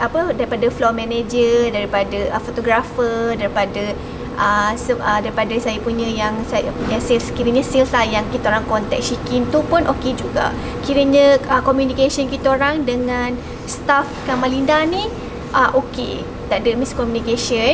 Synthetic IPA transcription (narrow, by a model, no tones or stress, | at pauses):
apədaɾipadaflɔmɛ̃ned͡ʒədaɾipadəəfot̪oɡɾafədaɾipadə | ʔəsəʔədaɾipadəsajəpuɲə̃jaŋsaja̰puɲə̃silskiɾəɲəsilslahjaŋkit̪aoɾaŋkɔnt̪ɛ̰k̚sikint̪upunʔoked͡ʒuɡa̰ | kiɾəɲə̃əkomjunikasənkit̪oɾaŋdəŋan | st̪afkaŋmãlindani | ʔəʔokḛ | t̪aʔdəmiskɔmjunikesə